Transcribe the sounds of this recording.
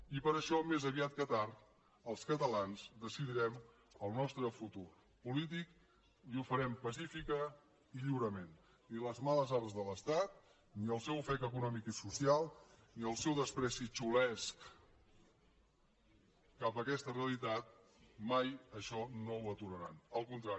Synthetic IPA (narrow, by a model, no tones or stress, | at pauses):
ipəɾəʃɔmezəβiat̪̚kət̪aɾ | əlˠskət̪əlanzd̪əsiðiɾɛm | əlˠnɔst̪ɾəfut̪ur | pulit̪ik | iufəɾɛmpəsifikə | iʎiwɾəmen | iləzmaləzaɾzðələst̪at̪̚ | niəlˠsɛwəfɛt̪əkunɔmikisusialˠ | niəlˠsɛwðəspɾɛsit͡ʃulɛsk | apəkɛst̪əreəlit̪at̪̚majəʃɔnowət̪uɾəɾa̰nəlˠkunt̪ɾai